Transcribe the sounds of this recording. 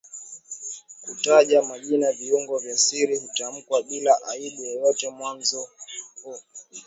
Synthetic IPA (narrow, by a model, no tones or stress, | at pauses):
kutaʄamaʄinaviuŋɡɔvjasiɾihutam̩kwaɓilaʔaiɗijɛjɔtɛmwanzɔhu